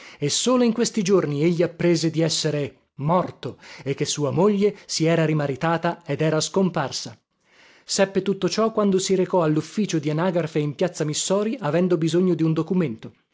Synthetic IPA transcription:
esːoːloiŋkwest̪id͡ʒornieʎːiapːɾeːzed̪iɛsːeɾe | mɔrt̪oekːesːuːamoʎːesiɛːɾaɾimaɾit̪aːt̪aed̪ɛːɾaskomparsa | sɛpːet̪ut̪ːot͡ʃɔkwand̪osiɾekɔalːufːiːt͡ʃod̪ianaːɡarfeimpjat̪sːamisːɔːɾiʔavɛnd̪obizoɲːod̪iund̪okument̪o

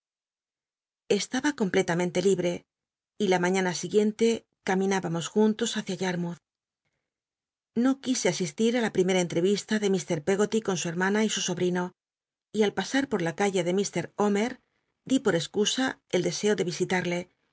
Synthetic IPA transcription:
e̞st̪aβako̞mple̞t̪amẽ̞nt̪e̞liβɾe̞ | ilamãɲãnasiɣje̞nt̪e̞ | kamĩnaβamo̞sxunt̪o̞saθjaʝaɾmuθ | no̞kise̞asist̪iɾalapɾime̞ɾae̞nt̪ɾe̞β̞ist̪aðe̞mist̪e̞ɾpe̞ɣo̞t̪iko̞nsue̞ɾmãnaisuso̞βɾino̞ | ialpasaɾpo̞ɾlakaʝeðe̞mist̪e̞ɾo̞me̞ɾ | d̪ipo̞ɾe̞skusae̞ld̪e̞se̞o̞ðe̞βisit̪aɾle̞

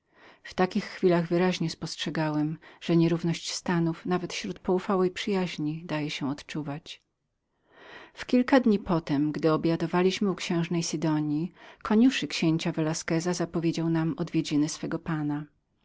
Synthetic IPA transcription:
ft̪akʲixːfʲilaɣvɘɾaʑɲɛspɔstʂɛɡawɛmʐ̥ɛɲɛɾuvnɔɕt͡ɕst̪anufnavɛt̪ɕɾut̪pɔufawɛjpʂɘjaʑɲid̪ajɛɕɛɔt̪t͡ʂuvat͡ɕ | fkʲilkad̪ɲipɔt̪ɛmɡd̪ɘɔbjad̪ɔvalʲiɕmɘukɕɛ̃w̃ʐnɛjsɘd̪ɔɲjikʰɔɲuʂɘkɕeɲt͡ɕavɛlaskɛzazapɔvʲjed͡ʑawnamɔd̪vʲjed͡ʑinɘsfɛɡɔpana

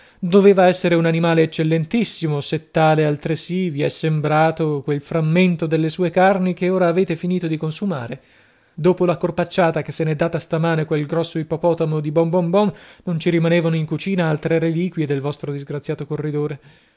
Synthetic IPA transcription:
d̪oveːvaɛsːeɾeunanimaːleːt͡ʃːelːent̪isːimoset̪ːaːlealt̪ɾesiviɛsːembɾaːt̪okwelfɾamːent̪od̪elːesuːekarnikeoːɾaːveːt̪efiniːt̪od̪ikonsuma̰ːɾe | d̪oːpolakorpat͡ʃːaːt̪akesːenɛd̪ːaːt̪ast̪amaːnekwelɡɾɔsːoipopɔːt̪amod̪ibɔmbɔmbɔnnont͡ʃiɾimaneːvanoiŋkut͡ʃiːnaalt̪ɾeɾeliːkwjed̪elvɔst̪ɾod̪izɡɾat̪sjaːt̪okorːid̪oːɾe

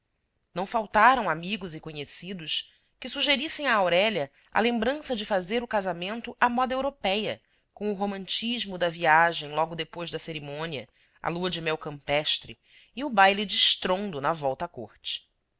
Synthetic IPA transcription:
nɐ̃w̃fawt̪aɾɐ̃w̃amiɡʊzɪkoɲesid̪ʊʃ | kɪsuʒeɾisẽj̃aːwɾɛʎɐ | ɐ̰lẽmbɾɐ̃sɐd͡ʒɪfazeɾʊkazamẽnt̪ʊʔɐmɔd̪ɐewɾopɛjɐ | kõw̃ʊɦomɐ̃nt͡ʃiʒmʊd̪ɐviaʒẽj̃lˠɔɡʊd̪epojzd̪ɐseɾimõniɐ̰ | ɐ̰luɐd͡ʒɪmɛwkɐ̃mpɛʃt̪ɾɪ | ɪʊbajlid͡ʒɪʃt̪ɾõnd̪ʊnɐvɔwt̪ɐkoɾt͡ʃɪ̥

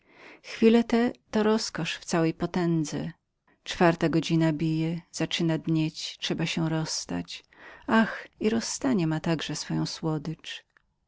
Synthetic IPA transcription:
xfʲilɛt̪ɛt̪ɔɾɔskɔʂft̪sawɛjpɔt̪ɛnd̪zɛ̰ | t͡ʂfaɾt̪aɡɔd͡ʑinabʲijɛz̥at͡ʂɘnad̪ɲet͡ɕtʂɛbaɕɛɾɔsːt̪a̰t͡ɕaxiɾɔsːt̪aɲɛmat̪aɡʐɛsfɔjɔ̃w̃swɔd̪ɘt͡ʂ

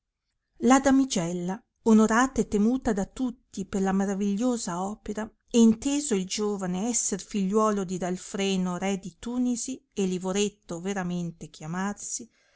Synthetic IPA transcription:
lad̪amid͡ʒɛlːa | onoɾaːt̪aet̪ːemuːt̪ad̪at̪ut̪ːiperlamaɾaviʎːoːzaɔːpeɾa | ɛint̪eːzoild͡ʒoːvaneɛsːerfiʎːwɔːlod̪id̪alfɾɛːnoɾɛd̪it̪uːnizielivoɾet̪ːoveɾament̪ek̟jamarsi

